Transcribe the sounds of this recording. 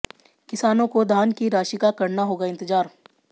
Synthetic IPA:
kɪsaːnõkod̪ʱaːnkiɾaːʃikakɐɾnaɦoːɡaɪ̃nt̪ɪd͡ʒaːɾ

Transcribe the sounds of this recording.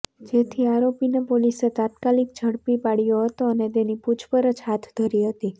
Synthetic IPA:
d͡ʒet̪ʰiaɾopinepoliset̪at̪kalik̚d͡ʒʱəɽpipaɽijoɦət̪oənet̪eniput͡ʃʰpəɾət͡ʃɦat̪ʰd̪ʱəɾiɦət̪i

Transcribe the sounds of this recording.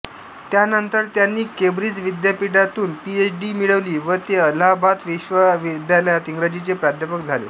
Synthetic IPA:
t̪janənt̪əɾt̪janːiːkebɾid͡zʋid̪japiɽat̪uːnpiet͡sɖimiɭəʋliːʋət̪eəlabat̪ʋiɕʋəʋid̪jaləjat̪iŋɡɾəd͡ʑit͡sepɾad̪ʱjəpəkd͡zʱalḛ

